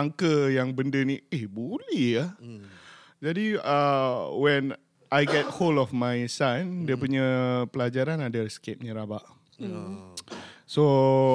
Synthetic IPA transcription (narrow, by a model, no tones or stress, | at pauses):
aŋkəjaŋbəndəniehbulɛha | d͡ʒadiəwɛn | ʔajɡɛt̚holɔfmajsandiəpuɲəpəlad͡ʒaɾanadaskep̚nĩɾabaʔ | so